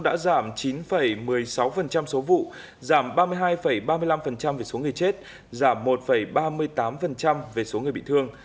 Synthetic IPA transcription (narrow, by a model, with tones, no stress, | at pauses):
ɗa̰ː˧˥zaː˧˩mt͡ɕi˨˦nfə˧˩jmɨ˨˩əjsa˨˦wfə˨˩nt͡ɕa˧mso˨˦vṵ˧˨ | zaː˧˩mɓaː˧mɨ˧əjɦaː˧jfə˧˩jɓaː˧mɨ˧əjla˧mfə˨˩nt͡ɕa˧mve˨˩so˨˦ŋɨ˨˩əjt͡ɕe˦˥t̚ | zaː˧˩mːo˨˩t̚fə˧˩jɓaː˧mɨ˧əjt̪aː˨˦mfə˨˩nt͡ɕa˧mve˨˩so˨˦ŋ˨˩ɓḭ˧˨t̪ʰɨ˧əŋ